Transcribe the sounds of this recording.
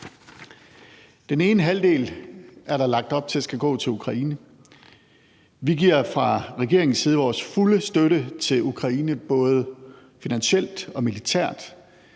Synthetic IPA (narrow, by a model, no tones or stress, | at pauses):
d̥ene̝ːnəɦæld̥e̝̰ːlæɐɾ̥ɑ̈lɑ̈ɡ̥̚d̥ɒ̽b̥̚t͡sʰe̝æsɡ̥æɡ̥ɔ̰̽ːt͡sʰe̝lukʰʁɑ̈iːnə | ʋiɡ̥iɐ̰fʁɑ̈ʁɛɡ̥e̝ɐ̰e̝ŋn̩siːð̞̩ˠʋɒːsfuləsd̥øɾət͡sʰe̝lukʰʁɑ̈iːnəb̥ɔ̽ːð̞ˠə | finænɕel̰d̥ɒ̽milit͡sʰæɐ̰d̥